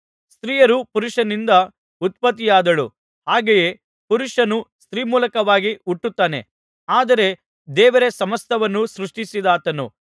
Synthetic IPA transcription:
st̪ɾiːjɐɾupuɾuʂɐnind̪ɐ | ut̪̚pɐt̪̬ːijaːd̪ɐɭṵ | haːɡejeː | puɾuʂɐnust̪ɾiːmuːlɐkɐʋaːɡiuʈːut̪ːaːne̞̰ | aːd̪ɐɾe̞ | d̪ɛːʋɐɾesɐmɐst̪ʰɐʋɐnːusɾuʂʈisid̪aːt̪ɐnṵ

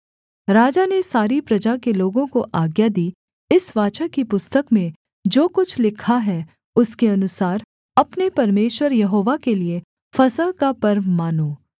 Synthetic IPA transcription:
ɾaːd͡ʒanesaːɾipɾɐd͡ʒakeloːɡõkoʔaːɡjad̪iː | ɪsʋaːt͡ʃakipʊst̪əkmẽ | d͡ʒoːkʊt͡ʃʰlɪkʰaɦɛ | ʊskeɐnʊsaːɾ | ɐpnepɐɾmeːʃwəɾjɐɦoːʋakelie | fɐsəɦkapɐɾʋmaːnoː

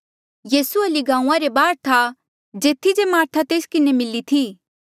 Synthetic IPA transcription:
jiːsuɐliɡãːũːãɾebaːɾt̪ʰa | d͡ʒeːt̪ʰːid͡ʒemaːɾt̪ʰat̪eːskɪnemɪlit̪ʰiː

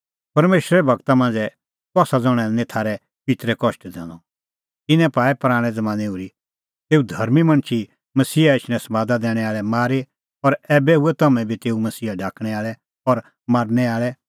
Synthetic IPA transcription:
pɐɾmeːʃɾɛɛbʱɐɡt̪amãːnd͡zɛ | k̪aːsad͡zɔ̃ɽ̃ɛ̃nẽt̪ʰaːɾɛ | pit̪ɾɛkɔʃʈd̪ɛ̰̃ːlɔ | t̪ɪnɛ̃paːɛpɾaːɽ̃ɛd͡zɐmãːniuɾi | t̪eːud̪ʱɐɾmimɐ̃ɳ̃t͡ʃʰi | mɐsiːaɪʃñɛ̃sɐmaːd̪ad̪ɛːɽ̃ɛaːɭɛmaːɾe | ɔɾɛːbɛuɛt̪ɐmɛ̃bʱit̪eːumɐsiːaɖʱaːkʰɽ̃ɛaːɭɛ | ɔɾ | maːɾnɛaːɭɛ

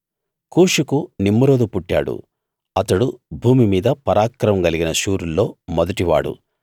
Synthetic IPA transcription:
kuːʂikunimːuɾoːd̪upuʈːa̰ːɽṵ | ɐt̪ɐɽubʱuːmimiːd̪ɐpɐɾaːkɾɐɐmɡɐliɡinɐʃuːɾulːo̞ːmɔd̪ɐʈiʋa̰ːɽṵ

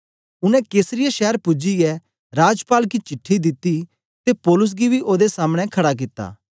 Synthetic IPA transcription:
ʊnɛ̃keːsɾɪjaʃɛːəɾpʊd͡ʒiɛ | ɾaːd͡ʒpaːlk̬it͡ʃɪʈʰːid̪ɪt̪ːi | t̪epɔːlʊs̬ɡibʱiʔoːd̪esaːməɽ̃ɛ̃kʰɐɽak̬ɪt̪ːa̰ː

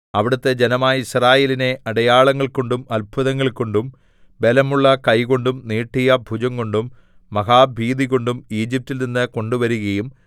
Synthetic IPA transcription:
ɐʋiɽɐt̪ːe̞d͡ʑenɐmaːjɐisraːjeːline̞ʔɐɽɐjaːɭɐŋːɐɭko̞ɳɖumɐlbʱuðɐŋːɐɭko̞ɳɖum | be̞lɐmuɭːɐkɐjko̞ɳɖumniːʈːijɐbʱud͡ʑɐŋko̞ɳɖumː | ɐɣaːbʱiːd̪iɣo̞ɳɖumiːd͡ʑip̚tːilninːɨko̞ɳɖuʋɐɾuɣɐjum

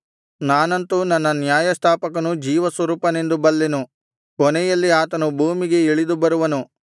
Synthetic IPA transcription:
naːnɐnt̪unɐnːɐnjaːjɐst̪ʰaːpɐkɐnud͡ʒiːʋɐsʋɐɾuːpɐne̞nd̪ubɐlːenu | kɔnɛjɐlːiaːt̪ɐnubʱuːmiɡe̞iɭid̪ubɐɾuʋɐnu

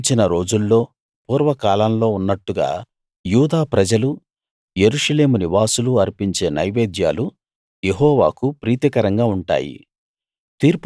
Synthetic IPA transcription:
t͡ʃinɐɾo̞ːd͡ʒulːo̞ː | puːɾʋɐkaːlɐmlo̞ːunːɐʈːuɡa̰ː | juːd̪aːpɾɐd͡ʒɐlu | je̞ɾuʂɐle̞ːmuniʋaːsuluɐɾpiɲt͡ʃe̞ːnɐ̰jbeːd̪ja̰ːlu | je̞ɦɔːʋa̰ːkupɾiːt̪ikɐɾɐŋɡaːuɳʈa̰ːjḭ | t̪iːɾp

